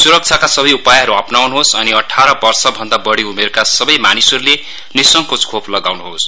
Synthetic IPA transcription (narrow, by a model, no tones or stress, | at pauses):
suɾʌk̚t͡sʰakasʌbʌjupajɦʌɾuʌpnawnuɦosʌniʌʈʰaɾʌbʌrsʌbʱʌnd̪abʌɽiumerkasʌbʌjmanisʌɾule | nisʌŋkot͡skʰoplʌɡawnuɦos